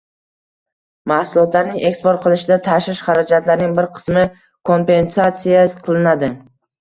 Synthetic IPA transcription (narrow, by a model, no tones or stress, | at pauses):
mahsʊlˠɒt̪ʰlaɾnɪŋʔekspoɾt̪̚qʰɨlˠɪʃɪd̪at̪ʰaʃɪʃχaɾad͡ʒat̪laɾnɪŋbɪɾqʰɨ̥smɪ | kʰo̞mpe̞nsat̪sijaqʰɨlˠɪnad̪ɪ